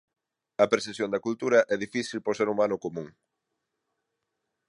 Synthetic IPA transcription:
ɐpɾθesjõnd̪ɐkult̪uɾɐʔɛðifiθilpoɾseɾumanʊkomũŋ

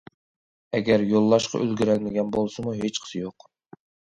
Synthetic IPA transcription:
ɛɡʲɛɾjolˠːɑʃqʰɑ̰ʔøzɡʲiɾælmɪɡʲɛnbolˠsɨmuɦet͡ʃqʰə̥sɨjoq

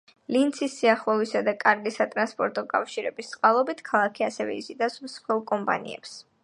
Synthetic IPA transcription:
lint̪sʰisːiaχlˠɛvisad̪akʼaɾɡisat̪ʼɾanspʼɔɾt̪ʼɔkʼafʃiɾɛbist̪sʼqʼalˠɔbit̪ʰkʰalˠakʰiasɛvɛ̰izid̪asmsχɛlˠkʼɔmpʼa̰nḭɛ̰ps

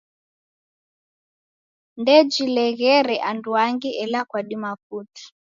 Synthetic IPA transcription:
ndɛd͡ʒilɛɣɛɾɛʔanduaŋɡiʔɛlakwaɗimafuti̥

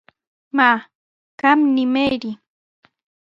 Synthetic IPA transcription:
ma | kamnɪmejɾɪ

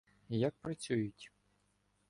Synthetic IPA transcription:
jak̚pɾɐt͡sʲujʊtʲ

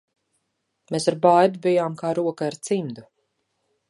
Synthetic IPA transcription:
meːsaɾbajd̪ubijaːmkaːɾuɔkaaɾt̪simd̪u

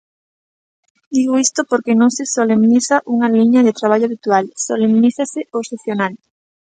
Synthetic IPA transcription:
d̪iɣoist̪opoɾkenõŋsesolemniθaʔuŋaliɲaðet̪ɾaβ̞aʎoaβit̪ualsolemniθaseoseθjonal

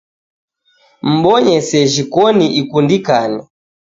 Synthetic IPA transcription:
m̩ɓɔɲɛsɛʒikɔniʔikundikanɛ

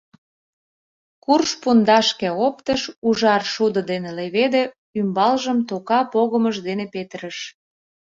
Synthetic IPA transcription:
kurʃpund̪ɑʃkeopt̪əʃuʒɑrʃud̪ə̆d̪eneleβed̪ĕ | ymbɑlʒəmt̪okɑpoɣəməʒd̪enepet̪əɾəʃ

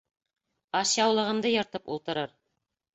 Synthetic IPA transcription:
ɑsjɑwlˠɤ̆ʁɤ̆nd̪ɤjɤ̆ɾt̪ɤpṵlˠt̪ɤ̆ɾɤɾ

